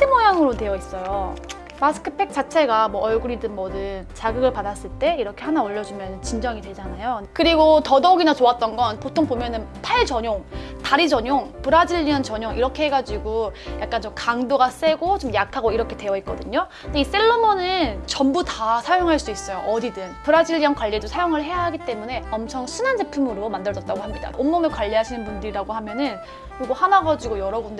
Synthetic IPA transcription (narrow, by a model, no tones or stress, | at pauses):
tʰɯmojaŋɯɾotwe̞jʌis͈ʌjo | masʰɯ̥kʰɯpʰe̞k̚t͡ɕ͈at͡ɕʰe̞ɡamwʌʔːɭɡuɾidɯnmʌdɯnt͡ɕaɡɯɡɯɭpadas͈ɯɭt͈e̞iɾʌkʰe̞hanaʌʎːʌd͡ʑumjʌnɯnt͡ɕind͡ʑʌŋidwe̞d͡ʑanajokɯɾiɡotʌdʌɡinat͡ɕoat̚t͈ʌnɡʌnpotʰoŋbomjʌnɯnpʰaɭt͡ɕʌɲoŋ | taɾid͡ʑʌɲoŋpuɾad͡ʑiʎːiɯnt͡ɕʌɲoŋʔiɾʌkʰe̞ɦeɡad͡ʑiɡujak̚k͈ant͡ɕomkaŋdoɡas͈e̞ɡot͡ɕomjak̚tʰaɡoiɾʌkʰe̞twe̞ʌit̚k͈ʌdɯɲo | ndeis͈e̞ɭːomonɯnt͡ɕʌmbutasʰajoŋɦaɭs͈uis͈ʌjoʔʌdidɯnpɯɾad͡ʑiʎːijʌnkwaʎːedosʰajoŋɯɭɦe̞jaɦaɡit͈e̞mune̞ʌmt͡ɕʰʌŋsʰunand͡ʑepʰumɯɾomandɯɭʌt͈̚aɡohamɲida̰omːʌmekwaʎːiɦaɕʰinɯnbundɯɾiɾaɡohamjʌnɯn | kɯɾiɡohanaɡad͡ʑiɡojʌɾʌbund